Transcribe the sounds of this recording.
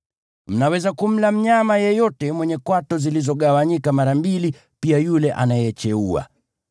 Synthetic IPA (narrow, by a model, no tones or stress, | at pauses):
m̩nawɛzakum̩lam̩ɲamajɛjɔtɛmwɛɲɛkwatɔzilizɔɠawaɲikamaɾambili | piajulɛʔa̰najɛt͡ʃɛua̰